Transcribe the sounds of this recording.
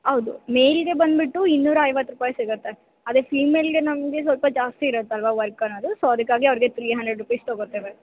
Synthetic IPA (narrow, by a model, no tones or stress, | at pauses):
ɦɐwd̪umejlɡe̞bɐnd̪biʈːuinːuːɾaɐjʋɐt̪ːɾupaːjsiɡɐt̪ːe | ɐd̪efiːmːeːlɡenɐmɡe̞s̬ʋɐlpɐd͡ʒaːst̪iːɾɐt̪ːeɐlʋaːʋɐɾkɐnɐːd̪usoɐd̪ɐkːaːɡiɐʋɐɾiɡe̞t̪ʰɾiːɦɐnd̪ɾeɖɾupɐjst̪oːɡoɾt̪ːeːʋe